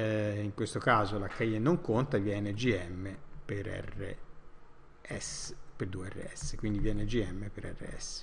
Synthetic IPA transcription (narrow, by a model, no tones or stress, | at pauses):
iŋkwest̪okaːzolakːajenoŋkont̪avjɛːned͡ʒiɛmːepeɾɛ̰rḛ | ɛsperd̪ueɛrːḛɛ̰sːe̥kwind̪ivjɛːned͡ʒiɛmːepeɾɛ̰rːḛɛ̰sːe̥